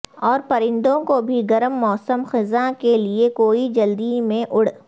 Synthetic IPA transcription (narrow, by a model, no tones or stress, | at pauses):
ɔːɾpɐɾɪ̃nd̪õkobʱiɡɐɾəmːɔːsəmxɪzãkeliekoːid͡ʒɐld̪imẽʔʊɽ̤